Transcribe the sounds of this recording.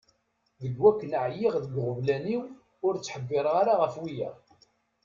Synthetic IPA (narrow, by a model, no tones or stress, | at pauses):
ðəɡwækːənʕjiʁðəɡʁʊvlæniw | ʊɾt͡sːħəbːɪɾˤʁaɾaʁəfwijæ̰